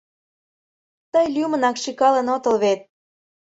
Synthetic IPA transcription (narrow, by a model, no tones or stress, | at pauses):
t̪əjlʲymə̆nɑkʃikɑlə̆not̪ə̆lβet̪̚